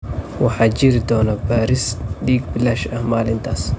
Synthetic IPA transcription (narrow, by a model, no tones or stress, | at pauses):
wɑħɑːt͡ʃɪɾɪd̪ɔːnɐbaːɾɪsɖiːɡbɪlɐʃɐhmaːlɪnt̪ʰaːs